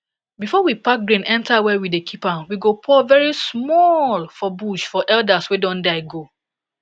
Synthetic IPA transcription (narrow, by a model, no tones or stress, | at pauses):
bifɔwipak̚ɡɹĩnʔɛ̃ntawɛwidekʰipãwiɡopʰɔvɛɹismɔlfɔbuʃfɔʔɛldaswedɔ̃ndaɪɡo